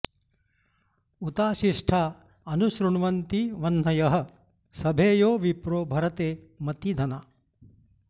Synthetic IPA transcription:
ut̪aːʃiʂʈʰaː | ɐnuʃɾuɳʋɐnt̪iʋɐnːɐjɐɦɐ̆ | sɐbʱeːjoːʋipɾoːbʱɐɾɐt̪eː | mɐt̪id̪ʱɐna

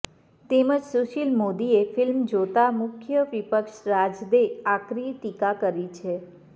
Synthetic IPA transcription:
t̪eməd͡ʒsuʃilmod̪iefɪlmd͡ʒot̪amʊkʰjəʋipəkʃɾad͡ʒd̪eakɾiʈ̪ikakəɾit͡ʃʰe

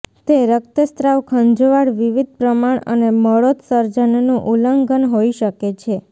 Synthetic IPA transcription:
t̪eɾək̚t̪əst̪ɾaʋkʰə̃ɲd͡ʒʋaɽʋiʋid̪̚ʱpɾəmaɳə̰neməɭot̪səɾd͡ʒənnũʔuləŋɡənɦoiʃəket͡ʃʰe

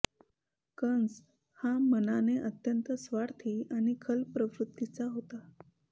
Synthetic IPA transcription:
kəns | hamənaneʔət̪jənt̪əsʋaɽt̪ʰiːañikʰəlpɾəʋɾut̪ːit͡saɦot̪a

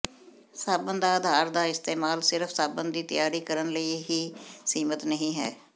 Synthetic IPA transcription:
saːbənd̪aːəd̪ʱaːɾd̪aːɪst̪eːmaːlsɪɾəfʰsaːbənd̪iːt̪ɪjaːɾiːkəɾənləiːɦiːsiːmət̪nəɦĩːɦɛ̰ː

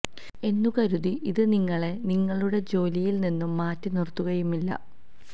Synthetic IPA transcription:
e̞nːukɐɾuðiʔiðɨniŋːɐɭe̞niŋːɐɭuɽe̞d͡ʑo̞ːlijilninːumːaːtːɨnirt̪ːuɣɐjumilːɐ̰

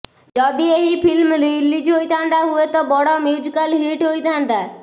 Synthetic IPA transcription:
d͡ʒɔd̪ieɦipʰilmɾilid͡ʒɦojt̪ʰant̪aɦuet̪ɔbɔɽɔmiwd͡ʒkalɦiʈɦojt̪ʰant̪a

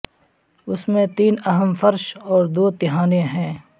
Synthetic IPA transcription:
ʊsmẽt̪iːnɐɦəmfəɾʃɔːɾd̪oːt̪ɪɦaːnẽɦɛ̃ː

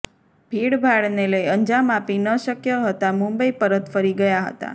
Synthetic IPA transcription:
bʱiɽbʱaɽneləjənd͡ʒamapinəʃəkjəɦət̪amũmbəipəɾət̪fəɾiɡəjaɦə̰t̪a̰

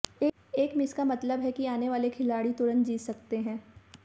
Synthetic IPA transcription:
eː | eːkmɪskamɐt̪ləbɦɛkiaːneʋaːlekʰɪlaːɽit̪ʊɾə̃nt̪̚d͡ʒiːsɐkt̪eɦɛ̃ː

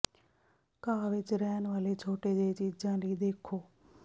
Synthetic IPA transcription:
kaːʋɪt͡ʃɾɛːnʋaːleːt͡ʃʰoːʈeːd̪eːt͡ʃiːd͡ʒãːləiːd̪eːkʰoː

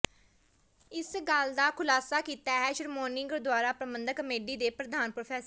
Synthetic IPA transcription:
ɪsɡəld̪aːkʰʊlaːsaːkiːt̪aːɦɛːʃəɾmoːnɪ̃ŋɡəɾd̪ʊaːɾaːpɾəmə̃nd̪əkəmeːɖiːd̪eːpɾəd̪aːnpɾoːpʰɛːs

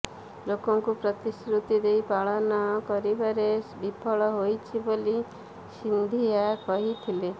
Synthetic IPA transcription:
lokɔŋkupɾɔt̪isɾut̪id̪ejpaɭɔnɔkɔɾibaɾebipʰɔɭɔɦojt͡ʃʰiboli | sind̪ʱiakɔɦit̪ʰile

